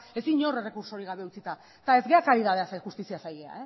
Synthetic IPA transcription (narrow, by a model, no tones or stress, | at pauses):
e̞siɲo̞re̞re̞kuɾso̞ɾiɣ̞aβ̞e̞ut͡sit̪a | t̪ae̞zɣe̞akaɾiðað̞e̞asajxust̪isiasajɣea̰e